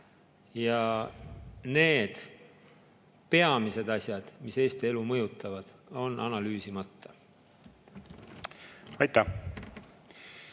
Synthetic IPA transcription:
jɑ | ne̞ːd̪̥ | pe̞ɑmise̞d̪̥ɑsʲjɑd̪̥mise̞ːst̪ie̞lumɤjut̪ːˑɑvɑd̪̥ | o̞nʔɑ̰nɑlyːsimɑt̪ːɑ | ɑjt̪ːˑæ

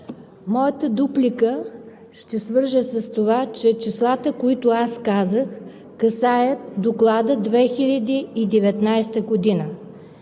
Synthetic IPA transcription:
mɔjət̪əd̪uplʲikə | ʃt̪ɛsvɤɾʒəsɐst̪ovat͡ʃɛt͡ʃislˠat̪əkoit̪ʊaskazəx | kɐsajət̪d̪oklˠad̪əd̪vɛxilʲɐd̪iːd̪ɛvɛt̪najst̪əɡod̪inə

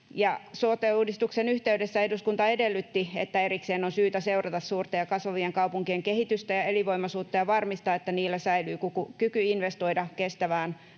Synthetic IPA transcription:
jɑsuot̪ːˑeuːdist̪uksenyht̪eydesːæeduskunt̪ɑedelːyt̪ːiet̪ːæerikseːnonsyːt̪æseurɑt̪ɑssuːrt̪ɑjɑkɑsʋɑʋieŋkɑupuŋkieŋkehit̪yst̪æjɑeliʋoimɑsuːt̪ːɑjɑʋɑrmist̪ɑːet̪ːæniːlːæsæilyːkukukykyinʋest̪oidɑkest̪æʋæːn

